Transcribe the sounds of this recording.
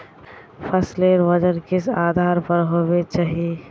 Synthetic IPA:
pʰɐsleɾʋəd͡ʒəɾkɪsaːd̪ʱaːɾpɐɾɦoːwet͡ʃaːɦie

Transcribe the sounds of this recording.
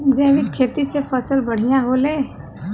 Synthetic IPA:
d͡ʒẽːʋikkʰːeːt̪isepʰəsəlbəɽ̤ijãɦoleː

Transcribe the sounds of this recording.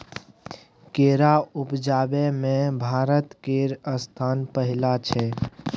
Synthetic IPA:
keːɾaʊpd͡ʒaːbɛmẽbʱaːɾət̪keɾəst̪ʰaːnpəɦɪlat͡ʃʰɛ

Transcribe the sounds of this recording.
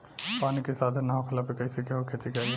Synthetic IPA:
paːnikesaːd̪ʱənaːokʰɐlapekɐɪsekeɦokʰet͡ʃikaːj

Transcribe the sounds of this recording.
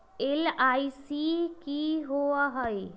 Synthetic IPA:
elajsikiɦoaɦəj

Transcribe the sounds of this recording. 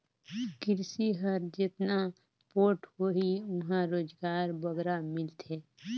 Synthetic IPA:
kɪɾsiɦəɾd͡ʒet̪na | poːʈʰɦoɦiʊɦãɾoːd͡ʒɡaːɾbəɡɾamɪlt̪ʰe

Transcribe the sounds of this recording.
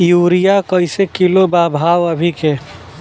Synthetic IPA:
juɾijakəɪsekilobabʱaʋəbʱike

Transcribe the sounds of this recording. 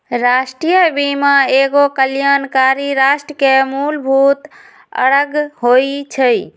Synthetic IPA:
ɾasʈɾijəbimaeɡokəljankaɾiɾasʈɾəkemulbʱut̪ | ə̰ɽəɡɦojt͡ʃʰəj

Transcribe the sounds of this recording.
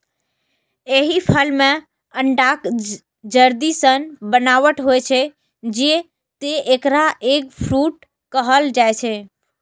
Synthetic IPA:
eɦipʰəlmẽ | əɳɖak | d͡ʒəɾd̪isənbənaʋəʈɦojt͡ʃʰe | d͡ʒe | t̪eekɾaʔek̚pʰɾuʈ̚ | kəɦəld͡ʒaet͡ʃʰe

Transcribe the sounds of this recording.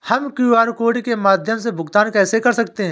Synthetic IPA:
həmkuːaːɾkoːɖkemaːd̪ʱjəmsebʱʊɡt̪aːnkɛːsekɐɾsək̚t̪eɦɛ̃

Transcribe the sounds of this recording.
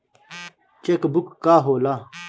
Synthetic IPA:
t͡ɕekbukːaːɦoːla

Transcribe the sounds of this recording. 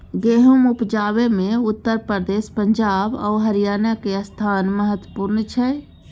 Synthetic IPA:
ɡeɦumupd͡ʒaβemeut̪ːəɾpəɾd̪espəɲd͡ʒaba̰uɦəɾijanakeəst̪ʰanməɦət̪wəpuɾnt͡ʃʰɛ

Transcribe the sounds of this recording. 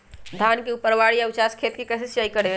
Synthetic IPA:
d̪ʱankeupəɾʋaɽijaut͡ʃaskʰet̪kekəsesjajkəɽe

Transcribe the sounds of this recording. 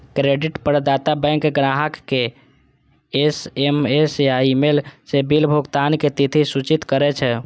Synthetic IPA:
kɾeɖiʈpəɾd̪at̪abɛ̃ŋkɡɾaɦəkːe | esemesjaimelsebilbʱuɡt̪anket̪it̪ʰisut͡ʃit̪kəɾɛt͡ʃʰɛ

